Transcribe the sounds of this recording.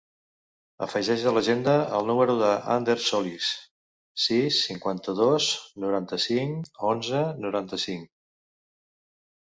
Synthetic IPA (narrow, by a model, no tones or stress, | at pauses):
ə̰fəʒɛʒələʒend̪əəlˠnuməɾuðəʔa̰nd̪eɾsɔlisː | isːiŋkwant̪əðosnuɾant̪əsiŋonzənuɾant̪əsiŋ